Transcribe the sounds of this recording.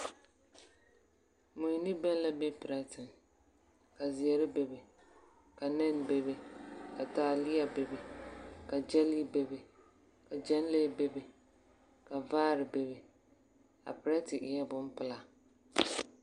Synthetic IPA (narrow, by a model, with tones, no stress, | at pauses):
mu˨ni˦bɛ˦n˦la˦bɛ˦pɪ˨ɾa˦tɪ˨n | ka˨zi˨ɛ˨ɾɪ˦be˨bɪ˨ | ka˨nɛ˦nbe˨bɪ˨ka˨ta˨lɪ˦a˨be˨bɪ˨ka˨d͡ʒɛ˦li˦be˦bɪ˨ | ka˨d͡ʒɛ˦n˦le˦be˦bɪ˨ | ka˨vaː˦ɾɪ˨be˨bɪ˨ | a̰˨pɪ˨ɾa˦tɪ˨ʔɪ˨jɛ˦bʊ˦m˦pɪ˦la˦